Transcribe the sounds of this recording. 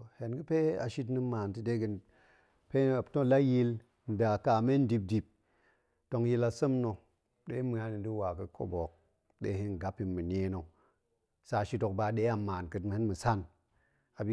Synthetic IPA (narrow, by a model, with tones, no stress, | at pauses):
he˨nɡɨ˦pe˦a̰˨ʃi˦t̬nɨ˦maː˨ntɨ˦de˦ɡɨ˨n | pe˦˨to˦la˦ji˦l | n̩˨da˨ka˨me˦n˦di˧p̚di˨p̚ | to˨˧ŋji˧la˨sə˦mno˨ | ɗe˦mɨ˨a˦ni˨ndi˦wa˨kɨ˨kʰo̰˦bo˨k̚ | ɗḛ˦ɦi˦n˨ɡa˦pːi˨nmɨ˨ne˨˦no˨ | sa˨ʃi˦to˨kba˨ɗe˦a˨maː˨nkɨ˨tmɨ˨hɨ˦nmɨ˨sa˦˨n | a˨bi˦